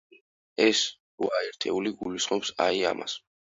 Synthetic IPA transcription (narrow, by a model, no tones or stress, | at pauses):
ɛs | ɾuaɛɾt̪ʰɛuliɡulisχmɔpsaia̰mʔa̰s